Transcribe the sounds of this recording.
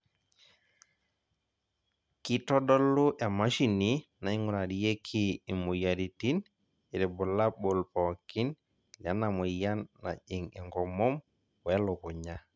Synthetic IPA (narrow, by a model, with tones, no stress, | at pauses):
ki˦tɔ˦dɔ˦lːu˦ʔe˨ma˦ʃi˨nina˨i˦ŋuɾaɾije˦kʰiː˨mu˨jaɾi˨ti˦n | i˨ɾɛ˨bu˨la˦bo˨lpɔki˦n | la˦namu˨ja˦nːa̰˨ʄi˨ŋɛ̰˨ŋɡɔ˨mɔ˦m | wɛ˦lo˨ku˨ɲa